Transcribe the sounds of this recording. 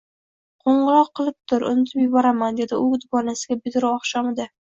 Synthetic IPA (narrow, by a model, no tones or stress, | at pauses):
qʰoɴʁɨɾɒqʰːɨlˠɪp̚t̪ʰʊɾʊ̰nɪt̪ʰɪpjʊbɒɾamand̪e̞d̪ɪʊɡʊt̪bɒnasɪɡʲabɪd̪ɪɾɪɒχʃɒmɪd̪a